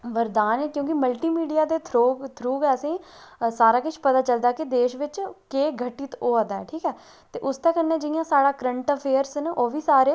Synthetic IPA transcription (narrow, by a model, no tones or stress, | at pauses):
ʋəɾd̪aːnɛːkjõːkɪməlʈiːmiːɖijaːd̪eːt̪ʰɾot̪ʰɾuːɡɛːəsĩːsaːɾaːkɪʃpət̪aːt͡ʃəld̪aːkɪd̪eːʃʋɪt͡ʃkeːɡʱəʈiːt̪oːəd̪aɛ̰ːʈʰiːkɛː | t̪eːʔʊst̪ɛːkənːẽːd͡ʒɪjãːsaːɽaːkɾəɳʈːpʰeːəɾsneʔoːʋiːsaːɾeː